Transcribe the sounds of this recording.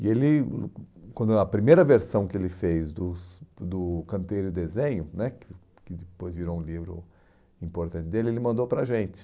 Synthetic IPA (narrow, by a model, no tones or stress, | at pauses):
ɪelɪ | kwɐ̃nd̪ɐpɾimejɾɐveɾsɐ̃w̃kɪelɪfejzd̪ʊsd̪ʊkɐ̃nt̪ejɾʊd̪ezẽɲʊnɛkɪ | kɪd̪ɪpojzviɾoũlivɾʊ̰ | ĩmpoɾt̪ɐ̃nt̪ɪd̪elɪelɪmɐ̃d̪opɾɐʒẽnt͡ʃ̪ɪ̥